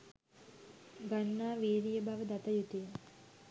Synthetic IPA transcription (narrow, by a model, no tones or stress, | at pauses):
ɡanːaːʋeːɾijəbaʋəd̪at̪əjut̪ijə